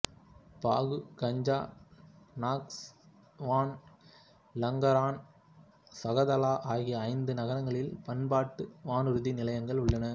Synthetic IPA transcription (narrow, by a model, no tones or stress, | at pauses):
pa̰ːɣɯkɐɲd͡ʒaː | naːks | ʋaːn | lɐŋɡɐɾaːn | sɐɣɐðɐlaːʔaːɣiɐɐɪnd̪ɯnɐɣɐɾɐŋɡɐɭɪlpɐnbaːʈːɯʋaːnɯɾɯðinɪlɐjɐŋɡɐɭʊɭːɐnɐ